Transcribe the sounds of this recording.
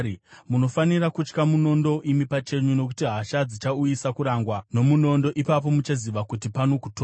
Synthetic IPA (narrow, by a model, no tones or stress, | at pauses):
muno̞fanirakut͡ʃkamuno̞ndo̞ʔimipat͡ʃe̞ɲuno̞kutiɦaʃad͡zit͡ʃaujisakuɾaŋɡwano̞muno̞ndo̞ʔipap̬o̞mut͡ʃaziʋakutipano̞kutoː